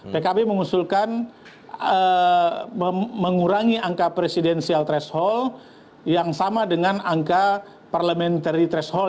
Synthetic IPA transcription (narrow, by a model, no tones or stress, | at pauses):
pekabeməŋusulkan | ə | əməŋuɾaŋiaŋkapɾesidɛnsialt̪ɾɛshɔl | jaŋsamadəŋanaŋka | parləmɛnt̪aɾit̪ɾɛshɔl